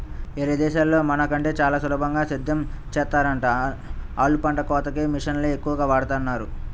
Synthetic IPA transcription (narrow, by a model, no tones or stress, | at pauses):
eɾɐd̪ɛːʃaːlːo̞ːmɐnɐkɐɳʈe̞ːt͡ʃaːlaːsɐluːbʱɐŋɡaːsid̪ʱːɐmt͡ʃɛːt̪ːaːɾɐɳʈa | aːlupɐɳʈɐkɔːt̪ɐkeːmiʂɐnleekːuʋɐɡaːʋaːɽɐt̪aːnːaːɾu